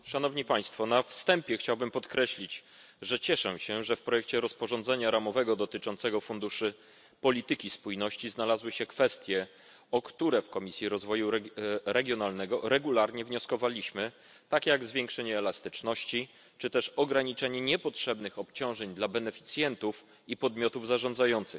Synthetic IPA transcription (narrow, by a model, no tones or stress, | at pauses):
ʂanɔvɲipaj̃st̪fɔnafst̪ɛmpʲjɛxt͡ɕawbɘmpɔt̪kɾɛɕlʲid͡ʑ | ʐɛt͡ɕɛʂɛɕɛʐɛfpɾɔjɛk̚t͡ɕɛɾɔspɔʐɔnzɛɲaɾamɔvɛɡɔd̪ɔt̪ɘt͡ʂɔntsɛɡɔfund̪uʂɘ | pɔlʲit̪ɘkʲispujnɔɕt͡ɕiznalazwɘɕɛkfɛst̪ʲjɛ | ɔkt̪uɾɛfkɔmʲisʲjiɾɔzvɔjuɾɛɡʲjɔnalnɛɡɔɾɛɡulaɾɲɛvɲɔskɔvalʲiɕmɘ | t̪akʲjaɡzvʲjeŋkʂɛɲɛːlast̪ɘt͡ʂnɔɕt͡ɕi | t͡ʂɘt̪ɛʂɔɡɾaɲit͡ʂɛɲɛɲɛpɔtʂɛbnɘxɔpt͡ɕɔ̃w̃ʐɛɲd̪labɛnɛfʲi̥t̪sʲjɛnt̪uf | ipɔd̪mʲjɔt̪uvzaʐɔ̃nd̪zajɔnt̪sɘx